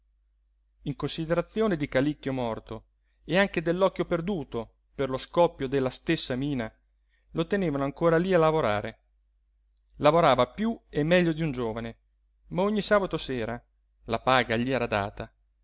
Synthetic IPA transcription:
iŋkonsid̪eɾat̪sːjoːned̪ikalikːjomɔrt̪o | eaŋked̪elːɔkːjoperd̪uːt̪o | perloskɔpːjod̪elːast̪esːamiːna | lot̪eneːvanoaŋkoːɾalialavoɾaːɾe | lavoɾaːvapjuemːɛʎːod̪iund͡ʒoːvane | maoɲːisaːbat̪osɛːɾa | lapaːɡaʎiɛːɾad̪a̰ːt̪a

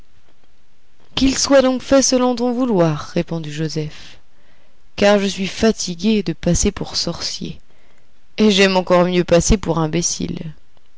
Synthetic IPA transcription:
kilswad̪ɔ̃kfɛsəlɔ̃t̪ɔ̃vulwaːʁːepɔ̃d̪iʒozɛf | kaʁʒəsɥifat̪ʰiɡʲed̪əpasepuʁsɔʁsjḛ | eʒɛmɑ̃kɔʁmjøpasepuʁɛ̃besḭl

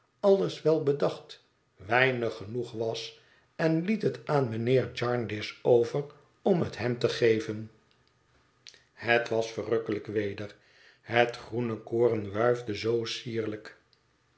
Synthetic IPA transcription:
ɑlˠəsʋɛlˠbədɑχt | ʋɛjnəχənuχʋɑs | ɛnlitətaːnmənɪːɹd͡ʒɑɹndɪsowvər | ɔmɦətɦɛmt̪əχejvən | hətʋɑsfərøkələkʋejdəɹ | hətχrunəkoːrənʋœɥvdəzowsiːɹlək

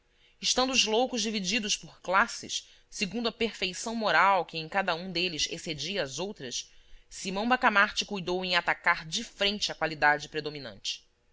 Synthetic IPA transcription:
ɪʃt̪ɐ̃nd̪ʊʊzlowkʊʒd͡ʒivid͡ʒid̪ʊʃpʊχklasɪ̰s | seɡũnd̪ʊɐpeɾfejsɐ̃w̃moɾawkɪẽj̃kad̪ɐũd̪elɪzḛsed͡ʒiɐːzowt̪ɾɐssimɐ̃w̃bakamaɾt͡ʃɪkujd̪owẽj̃at̪akaɾd͡ʒifɾẽnt͡ʃɪɐkwalid̪ad͡ʒɪpɾed̪ominɐ̰̃nt͡ʃɪ̥

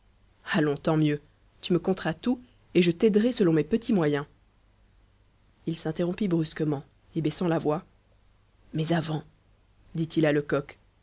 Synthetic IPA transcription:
alɔ̃t̪ɑ̃mjø | t̪yməkɔ̃t̪χat̪u | eʒət̪ɛd̪ʁɛsəlɔ̃mɛpət̪ʰimwajɛ̃ | ilsɛ̃t̪eʁɔ̃pibʁyskəmɑ̃ | ebɛsɑ̃lavwa | mɛzavɑ̃ | d̪it̪ilaləkɔk

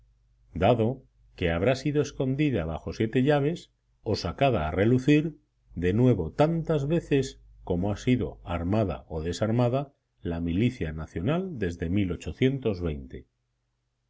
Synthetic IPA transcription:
d̪aðo̞ | ke̞aβ̞ɾasiðoe̞sko̞nd̪iðaβaxo̞sje̞t̪e̞ʎaβ̞e̞s | o̞sakaðaːre̞luθiɾ | ðe̞nwe̞βo̞t̪ant̪azβe̞θe̞s | ko̞moasiðo̞̰aɾmaða̰oðe̞saɾmaða | lamiliθjanaθjo̞nald̪e̞zðe̞milo̞t͡ʃo̞θje̞nt̪o̞zβe̞jnt̪e̞

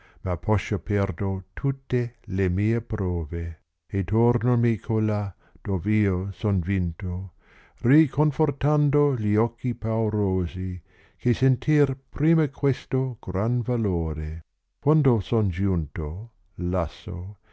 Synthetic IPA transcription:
mapʰɔʃːopɛrd̪ot̪ʰut̪ːelemiːepɾɔːve | et̪ornomikʰola | d̪̥oːveiːosonvint̪o | rikʰonfort̪and̪oʎiɔkʰːipawɾoːzi | kʰesent̪ʰirpɾiːmakʰwest̪oɡ̥ɾanvaloːɾe | kwand̪osond͡ʒunt̪o | lasːo̰

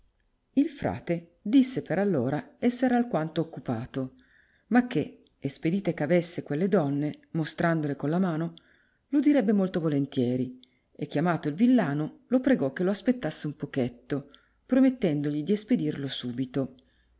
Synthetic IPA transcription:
ilfɾa̰ːt̪ed̪isːepeɾalːoːɾaɛsːɛɾalkwant̪oːkːupa̰ːt̪o | mak̟ːe | esped̪iːt̪ekeavesːekwelːed̪ɔnːemost̪ɾand̪olekonlamaːno | lod̪iɾɛbːemolt̪ovolent̪jɛːɾi | ek̟ːjamaːt̪oilvilːaːnolopɾeɡɔkːeloaspet̪ːasːeumpoket̪ːo | pɾomet̪ːɛnd̪oʎid̪iesped̪irlosuːbit̪o

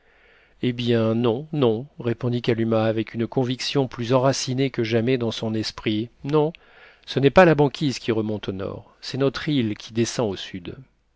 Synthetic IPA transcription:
ebjɛ̃nɔ̃nɔ̃ʁepɔ̃d̪ikalymaːvɛkynkɔ̃viksjɔ̃plyzɑ̃ʁasinekəʒamɛd̪ɑ̃sɔ̃nɛspχinɔ̃ | sənɛpalabɑ̃kʲizkʲʰiʁəmɔ̃t̪onɔ̰ʁ | sɛnɔt̪χilkʲʰid̪esɑ̃osyd̪

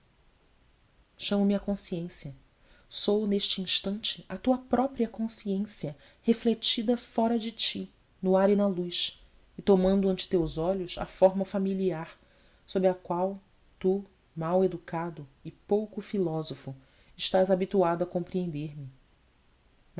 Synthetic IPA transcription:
ʃɐ̃mɐmɪɐkõsiẽsjɐ | sowneʃt͡ʃɪĩʃt̪ɐ̃nt͡ʃɪɐt̪uɐpɾɔpɾiɐkõsiẽsiɐ | heflet͡ʃid̪ɐfɔɾɐd͡ʒɪt͡ʃi | nʊaɾinɐlujʃ | ɪt̪omɐ̃nd̪ʊɐ̃nt͡ʃɪ̥t̪ewzɔʎʊsɐ̰fɔɾmɐfamiliaɾ | sobɾɪɐkwaw | t̪u | mawed̪ukad̪ʊɪpowkʊfilɔzofʊ | ɪʃt̪azabit̪uad̪ʊɐkõmpɾiẽnd̪eɾmɪ

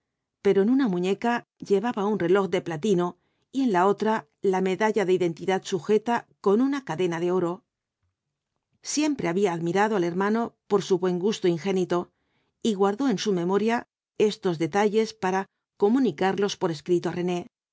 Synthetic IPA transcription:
pe̞ɾo̞enunamuɲe̞ka | ʎe̞β̞aβaunre̞lo̞xd̪e̞plat̪ino̞ | ie̞nlao̞t̪ɾa | lame̞ðaʎaðe̞iðe̞nt̪iðat̪suxe̞t̪ako̞nunakaðe̞naðeo̞ɾo̞ | sje̞mpɾe̞aβiaːðmiɾaðoale̞ɾmano̞po̞ɾsuβwe̞ŋɡust̪oiŋxe̞nit̪o̞ | iɣwaɾðo̞e̞nsume̞mo̞ɾja | e̞st̪o̞zðe̞t̪aʎe̞spaɾa | ko̞mũnikaɾlo̞spo̞ɾe̞skɾit̪oare̞ne̞

